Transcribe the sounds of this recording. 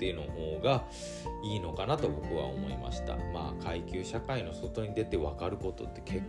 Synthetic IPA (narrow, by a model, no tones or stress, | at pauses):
eɯ̟noɦo̞ːɡa | iːno̞kanat̪o̞bo̞kɯ̟βa̰o̞̰mo̞̰ima̰ɕi̥t̪a̰ma̰ːkʰaikʲɨːɕakaino̞so̞t̪o̞ɲ̟id̪e̞t̪e̞βakaɾɯ̟ko̞t̪o̞̰t̪ːe̞̥kʰe̞kː